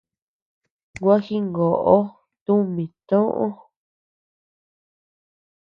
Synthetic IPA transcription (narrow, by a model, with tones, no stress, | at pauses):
ɡwa˦xi˦ŋɡo˨ʔo˦ | t̪u˦mĩ˨t̪õ˦ʔõ˦